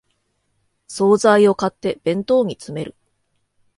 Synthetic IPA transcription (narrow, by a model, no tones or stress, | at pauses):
so̞ːzaio̞kat̪ːe̞b̥ẽ̞nt̪o̞ːɲ̟it͡sɨme̞ɾɯ̟̰